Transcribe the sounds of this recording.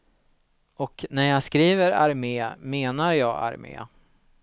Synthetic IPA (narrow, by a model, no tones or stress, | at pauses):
ʔɔknæɾjɑːskɾiːvəɾa̰ɾmeːmeːnaɾjɑːɡa̰ɾmḛː